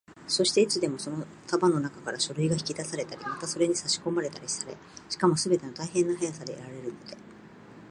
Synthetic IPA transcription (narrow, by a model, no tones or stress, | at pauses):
so̞ɕi̥t̪e̞it͡sɨd̪e̞mo̞so̞no̞ | t̪abano̞nakakaɾaɕo̞ɾɯ̟iɡaçi̥kʲid̪asaɾe̞t̪aɾʲimat̪aso̞ɾe̞ɲ̟isaɕi̥ko̞maɾe̞t̪aɾʲisaɾe̞̰ | ɕi̥kamo̞sɨbe̞t̪e̞not̪aihẽ̞nːaɦajasad̪e̞̰ːɾaɾe̞ɾɯ̟no̞d̪e̞